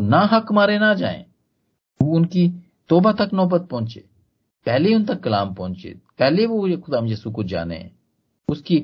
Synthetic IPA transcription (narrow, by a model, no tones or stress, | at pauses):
naɦɐkmaːɾenad͡ʒa̰ːḛ̃ː | oʊnki | t̪oːbat̪ɐknɔːbət̪̚pɔɦʊ̃nt͡ʃḛː | pɛɦleiʊnt̪ɐkːɐlaːmpɔ̃ːʊ̃nt͡ʃḛːpɛɦleʋokʊd̪aːmd͡ʒesukod͡ʒa̰ːnḛɦɛ̰̃ | ʊski